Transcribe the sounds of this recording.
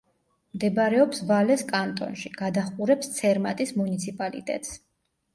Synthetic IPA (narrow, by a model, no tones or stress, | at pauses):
md̪ɛbɾɛɔpsvalɛskʼant̪ʼɔ̰nʃiɡ̥ad̪aχqʼuɾɛpst̪sʰɛɾmat̪ʼismunit̪sʰipʼalḭt̪ʼɛ̰t̪ʼs